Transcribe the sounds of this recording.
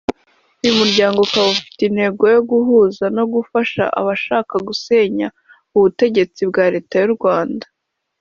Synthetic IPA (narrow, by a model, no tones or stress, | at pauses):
ujumuɾɟaːŋɡo̞kaβufi̥tin̥he̞ɡo̞jo̞ɡuɦuːzano̞ɡufaʃa̰ʔa̰βaʃaːkaɡuse̞ːɲa | uβute̞ɟe̞t͡sibɡaːɾe̞ːtajuɾɡwaːndḁ